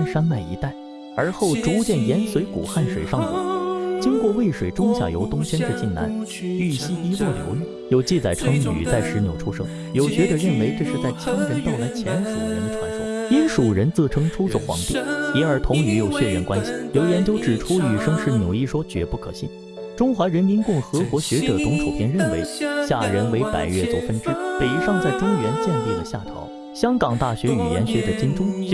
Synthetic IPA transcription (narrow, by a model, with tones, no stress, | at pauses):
ʂa˥nma˥˩ɪḭ˧˥t̪a˥˩ɪ | ə˞˧˥xo˥˩ʊʈ͡ʂu˧˥t͡ɕjɛ˥˩njɛ˧˥nswe˧˥ɪkṵ˨˩xa˥˩nʂwe˨˩ɪʂɑ˥˩ŋṵ˨˩t͡ɕi˥ŋkwɔ˥˧we˥˩ɪʂwe˨˩ɪʈ͡ʂʊ˥ŋɕja̰˨˩jo˧˥ʊt̪ʊ˥ŋt͡ɕʰjɛ˥nd̪ə˥˧t͡ɕi˥˩nna̰˧˥n | y˥˩ɕi˥i˥lwɔ˥˩ljo̰˧˥ʊly˥˩jo˥˩ʊt͡ɕi˥˩t͡sa˨˩ɪʈ͡ʂʰɤ˧˥ŋy̰˨˩t͡sa˥˩ɪʂɻ̩˧˥njo˨˩ʊʈ͡ʂʰu˥ʂɤ̰˥ŋ | jo˨˩ʊt͡ɕɥɛ˧˥d̪ə˨˧ɻə˥˩nwe˧˥ɪʈ͡ʂɤ˥˧ʂɻ̩˥˧t͡sa˥˩ɪt͡ɕʰjɑ˥ŋɻə˧˥nt̪ɑ˥˧ʊla˧˥ɪt͡ɕʰjɛ˧˥nʂṵ˨˩˧ɻə̰˧˥nʈ͡ʂʰwa˧˥nʂɑ˥ŋi˥nʂu˨˩ɻə˧˥nt͡sɤ˥˩ʈ͡ʂʰɤ˥ŋʈ͡ʂʰu˥ɔ˥˩xwɑ̰˧˥ŋt̪ḭ˥˩jɛ˧˥ə˞˧˥t̪ʰʊ˧˥ŋy˧˥jo˨˩ʊɕɥɛ˥˧ɻə̰˥˩nkwa˥nɕi˨˩ljo˧˥ʊjɛ˧˥nt͡ɕjo˥ʊʈ͡ʂɻ̩˨˩ʈ͡ʂʰu˥y˨˩ʂɤ˥ŋʂɻ̩˥˩mjo˨˩ʊi˥˩ʂwɔ˥t͡ɕɥɛ̰˧˥pu˥˩kʰɤ̰˨˩ɕḭ˥˩n | ʈ͡ʂʊ˥ŋxwa˧˥ɻə˧˥nmi˧˥nkʊ˥˩ŋxɤ˧˥kwɔ˧˥ɕɥɛ˧˥ʈ͡ʂɤ˨˩t͡sʊ˧˥ŋʈ͡ʂʰo˨˩ʊpʰjɛ˧˥nɻə˥˩nwe˧˥ɪɕja˥˩ɻə˧˥nwe˧ɪpa̰˨˩ɪɥɛ˥˩t͡so˧˥ʊfə˥nʈ͡ʂɻ̩˥pe˨˩ɪ˥ʂɑ˥˧ŋt͡sa˥˩ɪʈ͡ʂʊ˥ŋɥɛ˧˥nt͡ɕjɛ˥˧nli˥˩d̪ə˩ɕja˥˩t̪ʰɑ̰˧˥ʊ | ɕjɑ˥ŋkɑ˨˩ŋt̪a˥˩ɕɥɛ˧˥y̰˨˩jɛ̰˧˥nɕɥɛ˧˥d̪ə˨t͡ɕi˥nʈ͡ʂʊ˥ŋ